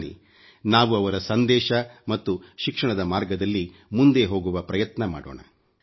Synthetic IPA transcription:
nḭ | naːʋuɐʋɐɾɐsɐnd̪ɛːʃɐmɐt̪ːuʃikʂɐɳɐd̪ɐmaːɾɡɐd̪ɐlːi | mund̪e̞ɦo̞ːɡuʋɐpɾɐjɐt̪nɐma̰ːɽo̰ːɳɐ̰

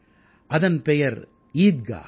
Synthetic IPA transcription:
ʔɐðɐnpɛjɐɾ | iːd̪̚ɡa̰ː

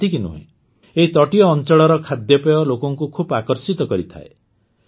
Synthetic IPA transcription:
t̪ikinṵɦḛ̃ | eɦit̪ɔʈijɔːnt͡ʃɔɭɔɾɔkʰad̪jɔpeɔlokɔŋkukʰubakɔɾsit̪ɔkɔɾit̪ʰa̰e

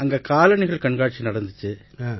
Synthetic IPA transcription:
ɐŋɡɐkaːlɐɳɪɣɐɭkɐɳɡaːʈ̚t͡ʃːinɐɽɐnd̪ɯt͡ʃːɯ

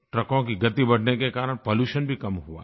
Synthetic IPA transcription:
ʈɾɐkõkiɡɐt̪ibɐɽ̤nekekaːɾəɽ̃poːluːʃənbʱikɐmɦua̰

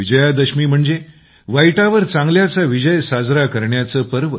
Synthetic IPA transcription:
id͡ʑəjad̪əɕmiːm̤əɳd͡ze | ʋajʈaʋəɾt͡sãŋɡljat͡saʋid͡ʑəjsad͡zɾakəɾɳjat͡səpəɾʋə

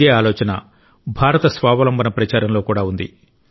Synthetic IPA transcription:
eːaːlɔːt͡ʃɐnɐ̰ | bʱaːɾɐt̪ɐsʋaːʋɐlɐmbʱɐnɐpɾɐt͡ʃaːɾɐmlo̞ːkuːɽaːund̪ḭ

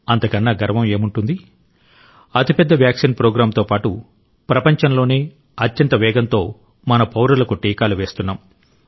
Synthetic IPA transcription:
ɐnt̪ɐkɐnːaːɡɐɾɐʋɐme̞ːmuɳʈund̪i | ɐt̪ipɛd̪ːɐʋjaːksinpɾoːɡɾaːmt̪o̞ːpaːʈu | pɾɐpɐɲt͡ʃɐnlo̞ːne̞ː | ɐt̪jɐnt̪ɐʋɛːɡɐnt̪o̞ː | mɐnɐpɐwɾɐlɐkuʈiːkaːluʋe̞ːst̪unːaːm

